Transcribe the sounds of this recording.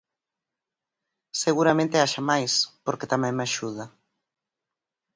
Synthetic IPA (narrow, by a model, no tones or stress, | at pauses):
seɣuɾamẽnt̪eaʃamajspoɾket̪amɛ̃ŋmeaʃuð̞a